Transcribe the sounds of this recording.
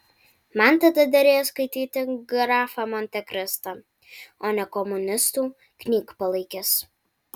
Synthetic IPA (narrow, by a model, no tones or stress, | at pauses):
mɐnt̪ɐd̪ɐd̪ɐɾʲeːjoskɐɪt̪ʲiːt̪ʲɪɡɾɑːfɐmɔnʲt̪ʲɛkʲɾʲɪst̪ɐ | oːnʲɛkɔmʊnʲɪst̪uː | kʲnʲiːkpɐlˠɐɪkʲɪs